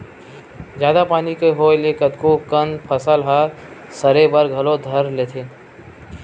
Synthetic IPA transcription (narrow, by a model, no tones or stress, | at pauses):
d͡ʒjaːd̪apaːnikeɦoːjleːkət̪kokənpʰəsəlɦaɾ | səɾebəɾɡʱɐlod̪ʱəɾleːt̪ʰeː